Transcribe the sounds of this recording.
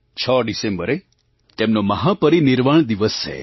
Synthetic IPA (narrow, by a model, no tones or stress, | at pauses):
t͡ʃʰəɖisẽmbəɾe | t̪emnoməɦapəɾiniɾʋaɳ̃d̪iʋəst͡ʃʰḛ